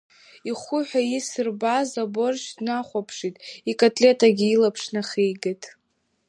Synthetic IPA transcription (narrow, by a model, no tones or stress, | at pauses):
iχʷʊħʷᶣajisɨrbazabo̞rʃdnaχʷapʰʂitʼikʼatʼlʲe̞tʼaɡʲiːlapʰʂnaχejɡɨtʼ